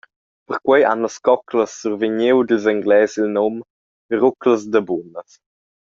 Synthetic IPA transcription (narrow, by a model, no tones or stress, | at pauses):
pəɾkwɛja̰nləskɔkləsːurviɲewd̪ilzaŋɡlɛːsilnɔm | ɾukləzd̪əbunəs